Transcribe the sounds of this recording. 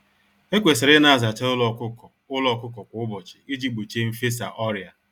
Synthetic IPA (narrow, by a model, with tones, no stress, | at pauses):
e˦kʷe˨sɪ˨ɾɪ˦na˨a˨za˨t͡ʃe˦ʊ˦lɔ˨kʊ˦kɔ˨ | ʊ˦lɔ˦kʊ˦kɔ˨kʷʊ˨ʊ˦bɔ˨t͡ʃɪ̥˨i˦d͡ʒi˦ɡ͡bu˨t͡ʃe˦m̩˦fe˦sa̰˨ʔɔ˦ɾja˨